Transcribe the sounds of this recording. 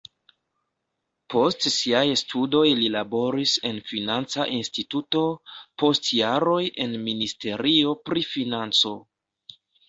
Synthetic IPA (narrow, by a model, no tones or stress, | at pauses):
po̞stsiajstʰudo̞jlilabo̞ɾise̞nfinant͡saʔinstituto̞po̞stjaɾo̞je̞nministe̞ɾio̞pɾifinant͡so̞